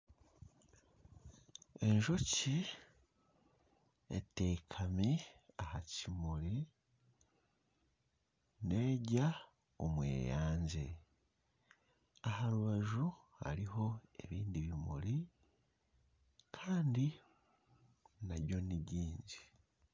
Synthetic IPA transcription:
e̞ɲʒo̞ci | ḛte̞kʰamiahacimuɾi | ne̞ːɟa | o̰mwḛːjaːɲzḛ | ahaɾuβaʒu | ha̰ɾiɦo̞e̞βiːndiβimṵli | kʰaːndi | naɾjo̞niɟiːɲzi

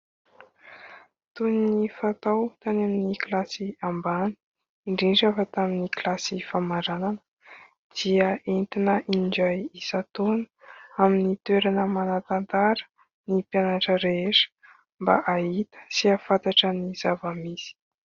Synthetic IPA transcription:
t̪uninifat̪awt̪aneminiklasiambani̥ | iɳɖ͡ʐiɳʈ͡ʂafət̪aminiklasifamaɾananə̥ | d̪̥iəent̪inəʔiɳɖ͡ʐajisat̪onə̥aminit̪weɾanəmanat̪ant̪aɾə̥ | nipjanaʈ͡ʂəɾeeʂə̥ | mba̰ʔait̪ə̥siafat̪aʈ͡ʂənizavəmisi̥

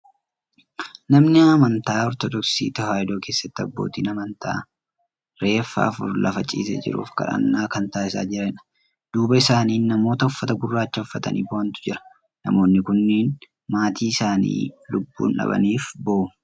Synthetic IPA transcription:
nɐmnɪɐmɐnt̪aːɔɾt̪ɔd̪ɔksḭːt̪ɐɦaːɪd̪oːkeːsːɐt̪ːɪɐbːo̞̰ːt̪iːnɐmɐnt̪ʰa̰ː | ɾe̞ːfːa̰ːfʊ̰ɾlɐ̰fɐt͡ʃʼḭːsɛ̰d͡ʒɪ̰ɾṵːfkɐ̰ɾɐ̰nːaːkɐnt̪aːɪsa̰ːd͡ʒɪɾɛnɐ̥ | d̪̥uːbɐɪsaːniːnːɐmo̞ːt̪ɐʊfːɐt̪ɐɡʊrːaːt͡ʃːɐʊfːɐt̪ɐ̰nḭːboɐnt̪ʊ̥d͡ʒɪɾɐ̥ | nɐmo̞ːnːɪkʊnːiːn | maːt̪ʰiːɪsaːnḭːlʊbːṵːnᶑɐ̰bɐ̰niːfboʔʊ

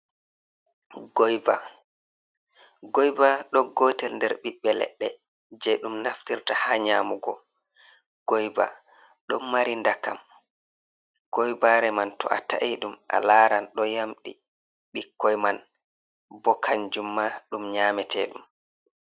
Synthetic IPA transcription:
ɡɔjba̰ | ɡɔjbaɗɔɡɔːtɛlndɛɾɓiɓːɛlɛ̰ɗːɛ | d͡ʒɛɗumnaftiɾtahaɲaːmuɡɔ̰ | ɡ̥ɔjba̰ | ɗɔnmaɾindakam | ɡ̥ɔjbaɾɛmantɔ̰ʔa̰ta̰ʔiɗumʔa̰laːɾanɗɔjamɗi | ɓikːɔjman | bɔkʰaɲd͡ʒumːaɗumɲaːmɛtʰɛɗum

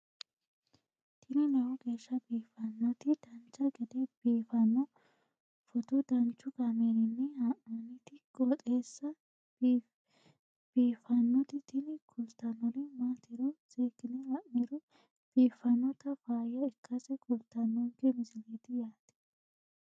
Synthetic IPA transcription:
t̪ʰɪnɪnɐwʊɡe̞ːʃːɐbiːfːɐnːɔt̪ɪd̪̥ɐnt͡ʃːɐɡɛd̪ɛb̥iːfɐnːɔ | fɔt̪ʊd̪ɐnt͡ʃːʊɡɐmeɾɪnːɛhɐʔmɐnɪt̪ɪkʼɔt̪ʼeːsːɐ | b̥iːfɐnːɔt̪ɪt̪ʰɪnɪkʰʊlt̪ɐnːɔlɪmaːt̪ɪɾɔz̥eːkːɪnɛhɐʔmɛɾʊ | b̥iːfːɐnːɔt̪ɐfaːjɐɪkːɐsɛkʊlt̪ɐnːɔŋkɛmɪsɪleːt̪ɪjaːt̪ɪ̥

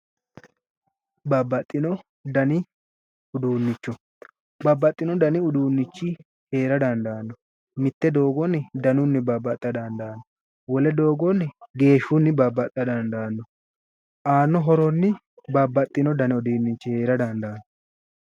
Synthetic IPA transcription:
bɐbːɐt̪ʼːɪnɔ | d̪ɐnɪ | ʊd̪uːnːɪt͡ʃːɔ | bɐbːɐt̪ʼːɪnɔd̪ɐnɪʊd̪uːnːɪt͡ʃːɪ | he̞ːɾɐd̪ɐnd̪aːnːɔ | mɪt̪ːɛd̪o̞ːɡɔnːɪd̪ɐnʊnːɪbɐbːɐt̪ʼːɐd̪ɐnd̪aːnːɔ | wɔlɛd̪oːɡɔnːɪɡe̞ːʃːunːɪbɐbːɐt̪ʼːɐd̪ɐnd̪aːnːɔ | ʔaːnːɔɦɔɾɔnːɪ | bɐbːɐt̪ʼːɪnɔd̪ɐnɪɔd̪iːnːɪt͡ʃːɪhe̞ːɾɐd̪ɐnd̪aːnːɔ

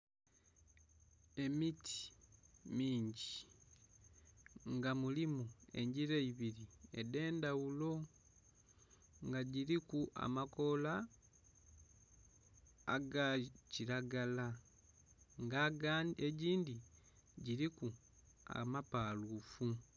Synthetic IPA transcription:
e̞mitʰi̥miːɲɟi | ŋɡamulimue̞̰ɲɟiɾeiβiɾie̞̰de̞ːndawulo̞ | ŋɡaɟiɾikua̰mako̞la | ɡaciɾaɡala | ŋɡaɡeɟiːndi | ɟiɾiku | a̰mapaːluːfu

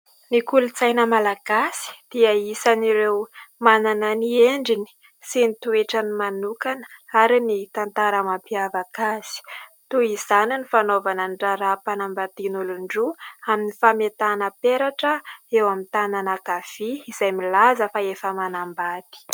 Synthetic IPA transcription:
nikulut͡sajnəmalaɡ̥asi̥d̪̥iəisaniɾewmananənieɳɖ͡ʐini̥ | sinit̪ueʈ͡ʂənimanukanə̥aɾinit̪ant̪aɾəmapiavakasi̥t̪uizaninifanovanənɖ͡ʐaɾapanambat̪inuluɳɖ͡ʐuaminifamet̪anəpeɾaʈ͡ʂəewamint̪ananakafiiz̥ajmilazəfaefəmanambat̪i̥

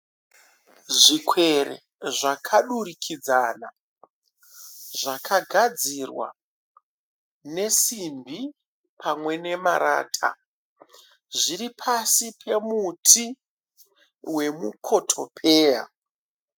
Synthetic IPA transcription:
ʐikwe̞ɾḛ | ʐakʰaɗurikʰid͡zana̰ | ʐakʰaɡʱad͡zirwa̰ | ne̞simbʱi | pʰamwe̞ne̞ma̰ɾa̰ːtʰa̰ | ʐiɾipʰasipʰe̞mutʰi | we̞mukʰo̞tʰo̞̰pʰeːja̰

